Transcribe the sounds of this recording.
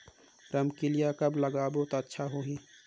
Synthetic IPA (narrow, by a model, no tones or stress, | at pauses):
ɾəmkilijakəbləɡaːbot̪oətːʃʰaɦoɦĩ